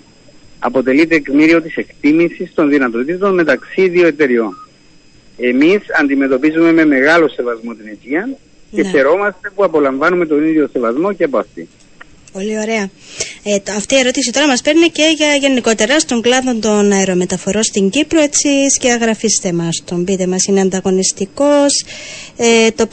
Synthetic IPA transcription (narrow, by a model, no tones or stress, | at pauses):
ɐ̰po̞t̪e̞lit̪e̞kmiɾio̞t̪ise̞kt̪imisist̪o̞nðinɐt̪o̞t̪it̪o̞nme̞t̪ɐksiðioe̞t̪e̞ɾio̞n | e̞misɐnd̪ime̞t̪o̞pizume̞me̞me̞ɣɐlo̞se̞vɐzmo̞t̪inec̪iɐn | ceθe̞ɾo̞mɐst̪e̞puɐpo̞lɐɱvɐnume̞t̪o̞niðʝo̞se̞vɐzmo̞ceɐpoɐft̪i | po̞lio̞ɾe̞ɐ | ɐft̪iːe̞ɾo̞t̪isit̪o̞ɾɐmɐspe̞ɾnice̞ʝɐʝe̞niko̞t̪e̞ɾɐst̪o̞ŋɡlɐðo̞nd̪o̞nɐeɾome̞t̪ɐfo̞ɾo̞st̪iɲɟipɾo̞et͡sisceɐɣɾɐfist̪e̞mɐst̪ombit̪e̞mɐsineɐnd̪ɐɣo̞nist̪iko̞set̪o